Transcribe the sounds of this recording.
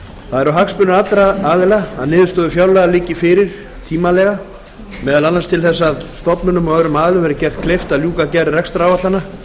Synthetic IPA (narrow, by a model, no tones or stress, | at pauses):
θaðɛɾaɦakspʏnʏɾat̪lɾaaːðɪlaaðnɪːðʏst̪ɔːðʏfjawlɛɣalɪːcɪfɪɾɪɾ̥ | t̪ʰiːmalɛɣa | mɛːðalanːast̪ʰɪlθɛsːaðst̪ɔpnʏnʏmɔœɾʏmaːðɪlʏmvɛɾɪcɛr̥t̪̚kʰlejft̪aðljuːkacɛɾɪrɛkst̪ɾaːwvat̪anːa